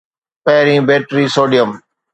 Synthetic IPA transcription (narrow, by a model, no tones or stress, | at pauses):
peːɾĩːbeːʈɾiːsoːɖijəm